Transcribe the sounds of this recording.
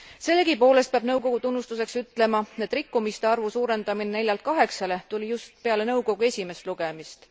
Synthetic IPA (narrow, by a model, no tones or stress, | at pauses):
se̞lːeɡipo̞ːlest̪̚peɑb̥nɤwko̞ɡ̥ut̪unːust̪use̞ksyt̪ːˑle̞mɑed̪rikːˑumist̪eɑrvusuːɾe̞nd̪̥ɑminene̞lʲjɑlt̪̚kɑɦe̞ksɑle̞t̪ulʲijust̪̚pe̞ɑle̞nɤ̞wko̞ɡ̥ue̞sʲime̞st̪luɡ̥emist̪